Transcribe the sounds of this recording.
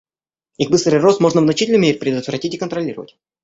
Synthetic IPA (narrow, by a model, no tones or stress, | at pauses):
iɣbɨst̪ɾɨjrost̪mo̞ʐnəvnɐt͡ɕitʲɪlnmʲeɾʲɪpʲɾʲɪd̪ʊt̪vɾɐtʲitʲɪkənt̪ɾɐlʲiɾə̰və̰tʲ